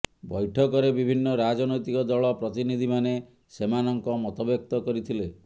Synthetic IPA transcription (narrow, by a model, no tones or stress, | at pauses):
bɔjʈʰɔkɔɾebibʱinːɔɾad͡ʒɔnɔjt̪ikɔd̪ɔɭɔpɾɔt̪inid̪ʱimane | semanɔŋkɔmɔt̪ɔbjek̚t̪ɔkɔɾit̪ʰile